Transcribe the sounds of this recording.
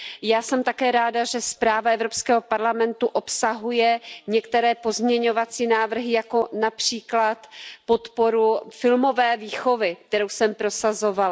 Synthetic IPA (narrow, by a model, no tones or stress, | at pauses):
jaːsɛmt̪akɛːɾaːdaʒɛspɾaːvaɛvɾo̞pskɛːɦo̞paɾlamɛnt̪uʔopsaɦujɛɲɛkt̪ɛɾɛːpo̞zmɲɛɲo̞vat͡siːnaːvr̩ɦɪjako̞napr̝̥iːklat̪po̞t̪po̞ɾufɪlmo̞vɛːviːxo̞vɪk̚t̪ɛɾowsɛmpɾo̞sazo̞val